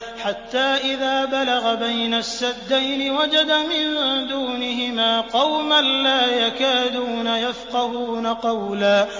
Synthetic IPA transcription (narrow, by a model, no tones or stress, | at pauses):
ħat̪ːaːʔɪðaːbalaɣabajnasːad̪ːajnɪwad͡ʒad̪amɪnd̪uːnɪɦɪmaːqɑwmanlaːjakaːd̪uːnajafqɑhuːnaqɑwlaː